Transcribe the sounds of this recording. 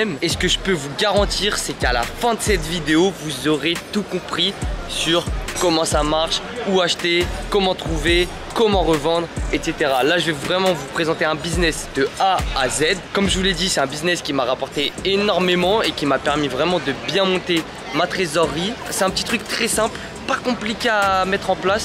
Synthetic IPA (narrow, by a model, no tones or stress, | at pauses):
mesə̥kəʒəpøvuɡaʁɑ̃t̪iːʁsɛkala̰fɛ̃d̪əsɛt̪vid̪eovuzɔʁet̪ukɔ̃pχisyʁkɔmɑ̃samaʁʃ | uaʃt̪ekɔmɑ̃t̪χuve | kɔmɑ̃ʁəvɑ̃d̪ʁɛt̪set̪eʁalaʒəvɛvʁɛmɑ̃vupχezɑ̃t̪eɛ̃biznɛsd̪̥əaːzɛd̪kɔmʒəvulɛd̪isɛt̪ɛ̃biznɛskʲimaʁapɔʁt̪eenɔʁmemɑ̃ekʲimapɛʁmivʁɛmɑ̃d̪əbjɛ̃mɔ̃t̪e | mat̪χezɔʁːisɛt̪ɛ̃pət̪i̥t̪χyk̚t̪χɛsɛ̃pl | pakɔ̃plikʲeamɛt̪χɑ̃plas